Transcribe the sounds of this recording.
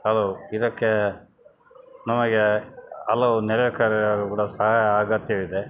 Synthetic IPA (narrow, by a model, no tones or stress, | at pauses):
hɐloːid̪ɐkːe | nɐmɐɡeɐlːɐunɛɾɐʋɛkaɾɐɐɾukuːɽɐsɐɦaːjɐːɡɐt̪jɐʋid̪e